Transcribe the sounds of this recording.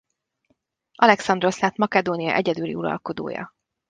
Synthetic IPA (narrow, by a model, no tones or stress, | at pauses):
ʔɒlɛksɒnd̪ro̞slaːt̪mɒkɛd̪oːnijɒʔɛɟɛd̪ylḭuɾɒ̰lko̞d̪o̰ːjɒ̰